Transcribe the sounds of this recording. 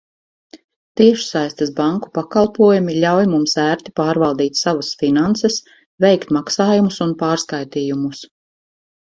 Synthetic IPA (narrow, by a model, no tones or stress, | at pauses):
t̪iɛʃsajst̪ɨsbaŋku̥pakɑlˠpuɔjumiʎʲawjmumsæːɾt̪i̥paːɾvalˠd̪iːt̪ʲsavasfinant̪ses | vɛjkt̪maksaːjumusunpaːɾskajt̪iːjumus